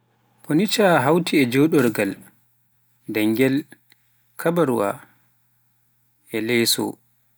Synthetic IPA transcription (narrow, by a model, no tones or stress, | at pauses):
ponit͡ʃaɦawtʰiɛd͡ʒɔɗɔɾɡal | dɛŋɡɛl | kʰabaɾuwa̰ | ʔɛlɛjsɔ̰